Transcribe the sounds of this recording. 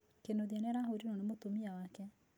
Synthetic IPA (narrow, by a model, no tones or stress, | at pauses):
kenoðiɛnɛɾaɦoɾinɔnemot̪omiawakɛ